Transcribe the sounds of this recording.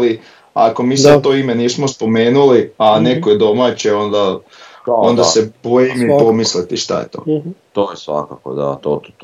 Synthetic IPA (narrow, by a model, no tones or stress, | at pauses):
li | a̰ko̞miːsad̪t̪o̞ːimeniːsmospo̞me̞ːnuliane̞kojed̪o̞maːt͡ɕeo̞nd̪a | o̞nd̪asebojimipo̞mislit̪iʃt̪a̰jḛt̪o̰ːt̪oːjesʋa̰ka̰ko̰d̪a̰t̪o̰